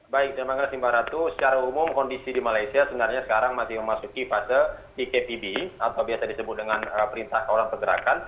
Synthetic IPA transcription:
baɪk̚damaŋɡasimbaɾat̪usə̥t͡ʃaɾaumʊmkɔndisidimalaisiasəbənarɲasə̥kaɾaŋmasɪhməmasukifasəpikepibiat̪awbiasadisəbʊt̪̚dəŋanəpəɾint̪ahkawlankərɡəɾa̰kan

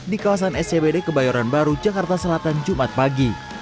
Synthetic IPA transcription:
dikawas̬anɛsebedekəbajaɾanbaɾud͡ʒakart̪asəlat̪and͡ʒumat̪̚paɡi

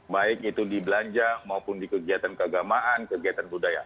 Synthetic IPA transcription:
baɪk̚it̪udibəlaɲd͡ʒamaupʊndikəɡiat̪ankəaɡamaʔankəɡiat̪anbudaja̰

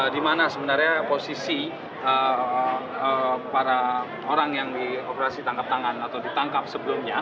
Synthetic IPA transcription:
dimanasəmənarɲaposisi | ə | əpaɾa | oɾaŋjaŋdiopəɾasit̪aŋkap̚t̪aŋanat̪awdit̪aŋkap̚səbəlʊmɲa

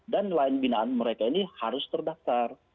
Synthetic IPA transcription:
danlaɪnbinaːnməɾekainihaɾʊst̪ərdaft̪ar

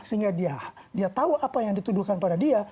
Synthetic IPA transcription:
səɦiŋɡadiadiat̪auapajaŋdit̪uduhkanpadadia

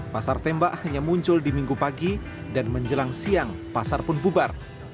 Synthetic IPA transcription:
pasart̪ɛmbaʔhaɲamuɲt͡ʃʊldimiŋɡupaɡi | danməɲd͡ʒəlaŋsiaŋ | pasarpʊnbubar

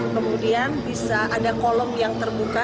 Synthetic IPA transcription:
kəmudianbisaʔadakolɔmjaŋt̪ərbuka

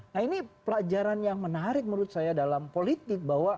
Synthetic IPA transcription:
nainipəlad͡ʒaɾanjaŋmənaɾɪk̚məɾʊt̪̚sajadalampolit̪ɪk̚bawa

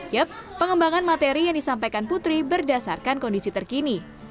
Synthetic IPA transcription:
jəp̚ːəŋəmbaŋanmat̪eɾijaŋdisampajkanput̪ɾibərdasarkankɔndisit̪ərkini

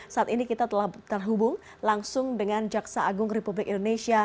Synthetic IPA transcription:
saʔat̪inikit̪at̪əlaht̪ərɦubʊŋ | laŋsʊŋdəŋand͡ʒaksaːɡʊŋrepublɪkindonesia

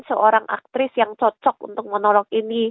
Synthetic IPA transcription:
nsəʔoɾaŋʔa̰k̚t̪ɾɪsjaŋt͡ʃɔt͡ʃɔk̚ṵnt̪ʊk̚mənɔlɔkini

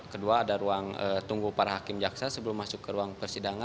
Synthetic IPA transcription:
kəduaːdaɾuaŋə̰t̪uŋɡupaɾaɦakɪmd͡ʒaksasəbəlʊmːasʊkːəɾuaŋpərsidaŋa

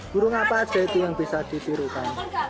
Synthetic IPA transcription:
ɡ̥uɾuŋapḁʒ̥et̪iwəŋb̥isad̪̥i̤siɾukan

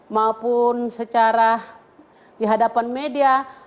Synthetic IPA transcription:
maopunsət͡ʃaɾa | diɦadapanmedia

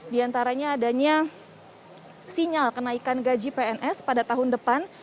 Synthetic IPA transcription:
diant̪aɾaɲaːdaɲa | siɲalkənaikanɡad͡ʒipeɛnʔɛspadat̪aɦʊndəpan

